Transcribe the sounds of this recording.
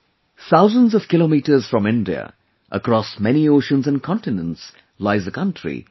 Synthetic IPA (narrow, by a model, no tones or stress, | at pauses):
θaʊzə̃ndzɔv̥kɪlomiːʈə˞z̥fɹʌ̃mɪ̃ndiə̰ | ʔə̰kɾɔsmɛnioʊʃə̃nzæ̃nkʰɔ̃ntɪnə̃nts | laɪzəkʰʌ̃ntɹ̥ḭ